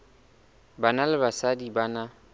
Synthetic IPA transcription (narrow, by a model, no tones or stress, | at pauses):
banalɪbasadibana